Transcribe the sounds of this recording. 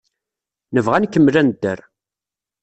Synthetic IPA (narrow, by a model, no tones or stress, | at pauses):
nəvʁænkːəmːlænd̪ːə̰ɾ